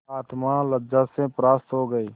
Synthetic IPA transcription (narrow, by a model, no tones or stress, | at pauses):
aːt̪maləd͡ʒasepɾaːst̪ɦoɡəiː